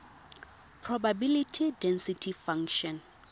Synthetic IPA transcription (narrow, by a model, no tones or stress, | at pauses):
pʰrɔbabilitʰidɛ̃nsitʰifãŋʃɔ̃n